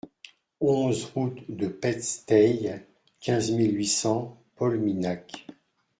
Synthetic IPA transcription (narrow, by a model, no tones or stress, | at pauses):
ɔ̃zʁut̪d̪əpɛt̪st̪ɛj | kʲɛ̃zmilɥisɑ̃ | pɔlminak